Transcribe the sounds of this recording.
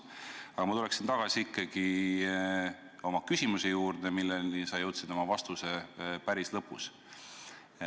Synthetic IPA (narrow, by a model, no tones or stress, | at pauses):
ɑɡ̥ɑmɑt̪uleksint̪ɑɡ̥ɑsiikˑːɑɡ̥i | o̞mɑkysʲimusejuːrd̪̥emilːenisɑjɤwt̪sid̪̥omɑvɑst̪usepæɾislɤpːˑus